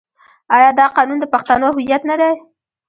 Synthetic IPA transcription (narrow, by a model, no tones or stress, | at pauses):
ɑjɑd̪ɑqɑnund̪əpaxt̪anoɦʊjat̪nad̪ej